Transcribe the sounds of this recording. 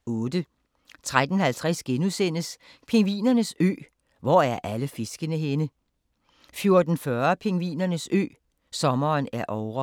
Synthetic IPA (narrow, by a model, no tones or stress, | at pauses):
ɔ̽ːd̥ə | t͡sʰʁad̥n̩hælt͡sʰʁasɡ̥enusen̰əs | pʰe̝ŋʋḭːnɐnəsø̰ː | ʋɒæɐʔæləfe̝sɡ̥ənəɦenə | fjo̝ɐd̥n̩fɶɐpʰe̝ŋʋḭːnɐnəsø̰ː | sɒ̽mɐːnæɐʔɒʊʁɐ